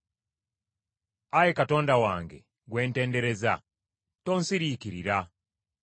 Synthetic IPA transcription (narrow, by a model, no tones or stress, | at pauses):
ajekato̞ːndawaːŋɡe̞̰ | ɡwe̞ːnte̞ːnde̞ɾe̞za̰ | toːnsiɾiːkiɾḭɾa